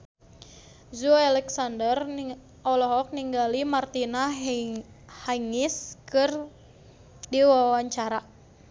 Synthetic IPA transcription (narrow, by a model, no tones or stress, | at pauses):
zualɛksandər | ɔlɔɦɔk̚niŋɡalimart̪ina | haiŋiskɨr | diwawaɲt͡ʃaɾa